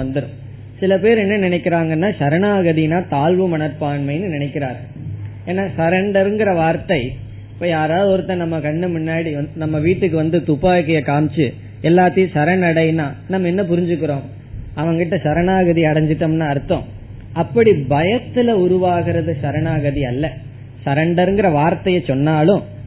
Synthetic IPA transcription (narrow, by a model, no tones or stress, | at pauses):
ɐnd̪ɯɽɯ̃ | sɪlɐpeːɾɛnːɐnɪnɛɪkːɪɾaːŋɡɐnːaːʃɐɾɐɳaːɣɐðinaːt̪aːlʋɯmɐɳɐɾpaːɳmɐɪnːɯnɪnɛkːɪɾaːɾɣɐ | eːnːaːsɐɾɐɳɖɐɾɯŋɡɪɾɐʋaːɾt̪ɐɪ | ɪpːoːjaːɾaːðɔɾɯt̪ːɐ̃nɐmːɐkɐɳːɯmʊnːaːɽinɐmːɐʋiːʈːɯkːɯʋɐnd̪ɯt̪ʊpːaːkːɐjɐkaːmt͡ʃːɯ | ɛlːaːt̪ːɐjʊ̃sɐɾɐnɐɽɐjnaːnɐmːɐɛnːɐp̬ʊɾɪɲd͡ʒɯkːɪɾõː | ɐʋɐŋɡɪʈːɐsɐɾɐnaːɣɐðiɐɽɐɲd͡ʒɪʈːɐmnaːɐɾɯt̪ːõ̰ː | ɐpːɐɽibɐjɐt̪ːɪlɐʊɾʊʋaːɣɪɾɐðɯsɐɾɐnaːɣɐðiɐlːɐ | sɐɾɐɳɖɐɾɯŋɡɪɾɐʋaːɾt̪ɐjɐt͡ʃɔnːaːlʊ̃